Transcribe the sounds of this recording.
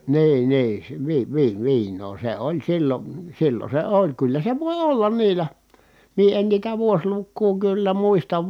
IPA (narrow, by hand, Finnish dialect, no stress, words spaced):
niː niː sĕ ʋi ʋi ʋiːnˑoː se olʲ silːon̞ silːon̞ se olʲ kylːæ se ʋoˑi olːɑn niːlæ mie en niːtæ ʋuoslukːuː kylːæ muistɑʋ